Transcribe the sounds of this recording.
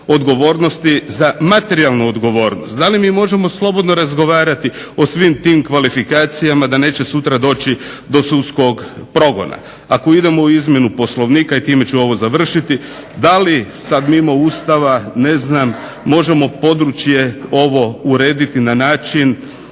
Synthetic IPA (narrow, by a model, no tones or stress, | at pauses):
o̞d̪ɡo̞ʋo̞ːɾno̞st̪izamat̪e̞ɾialnuod̪ɡo̞ʋo̞ːɾnost̪̚d̪alimiːmo̞ʒe̞mo̞slˠo̞bo̞d̪noɾazɡo̞ʋaːɾat̪i | o̞sʋimt̪iːmkʋalifikaːt̪sijamad̪ane̞ːt͡ɕe̞sut̪ɾad̪o̞ːt͡ʃid̪o̞sut̪sko̞ɡpɾo̞ɡo̞̰na̰ | ako̞id̪e̞mo̞uizmʲje̞nupo̞slˠo̞ʋniːkait̪iːme̞t͡ʃuo̞ʋo̞zaʋr̩ʃit̪i | d̪ali | sad̪mimouːst̪aʋane̞znamː | o̞ʒe̞mo̞po̞d̪ɾut͡ʃje̞o̞ʋo̞uɾe̞ːd̪it̪inanaːt͡ʃin